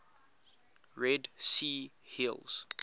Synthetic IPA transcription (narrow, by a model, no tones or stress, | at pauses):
ɹɛdsi | hilˠz̥